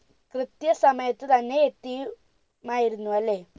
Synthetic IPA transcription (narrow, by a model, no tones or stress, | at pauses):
krɨt̪jɐsɐmɐjɐt̪ːɨt̪ɐnːe̞ːt̪ːi | maːjiɾunːuʋɐlːe̞